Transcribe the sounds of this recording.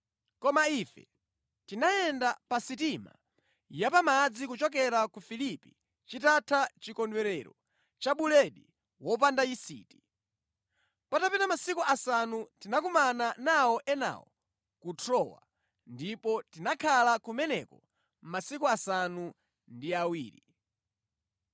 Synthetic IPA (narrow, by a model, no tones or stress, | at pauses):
kɔmaifɛ̰ | tinaɛndapasitima̰ | japamad͡zikut͡ʃɔk̬ɛɾakufilipḭ | t͡ʃitatʰat͡ʃikɔndwɛɾɛɾɔ̰ | t͡ʃaɓulɛɗi | wɔp̬andaisḭːti̥ | patapɛnamasikuasanutinakumananawɔʔɛna̰wɔ̰ | kutʰɔwa̰ | ndipɔtinakʰalakumɛnɛkɔ | masikuasanu | ndiawiːɾi